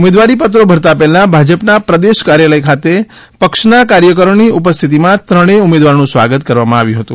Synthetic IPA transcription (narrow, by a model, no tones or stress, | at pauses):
ʊmed̪ʋaɾipət̪̬ɾobʱəɾt̪apɛɦlãbʱad͡ʒəpnapɾəd̪eʃkaɾjaləjkʰat̪e | pəkʃnakaɾjək̬əɾoniupəst̪ʰit̪̬imãt̪ɾəɽ̃eumed̪ʋaɾnũsʋa̰ɡət̪kəɾʋamãaʋjũɦət̪ũ